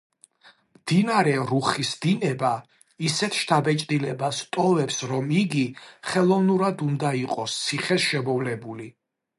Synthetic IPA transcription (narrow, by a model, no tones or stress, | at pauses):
md̪̥inaɾɛɾuχisd̪inɛba | isɛt̪ʰʃt̪ʰabɛt͡ʃʼd̪ilɛbast̪ʼɔvɛpsɾɔmiɡiχɛlˠɔvnuɾad̪und̪aiqʼɔst̪sʰiχɛsʃɛmɔvlɛbuli